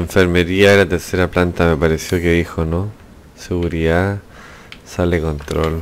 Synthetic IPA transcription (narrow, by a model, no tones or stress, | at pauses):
eɱfeɾmeɾiaelat̪eɾseɾaplant̪ame̞paɾesjo̞keðixono | seɣuɾiða | salekont̪ɾol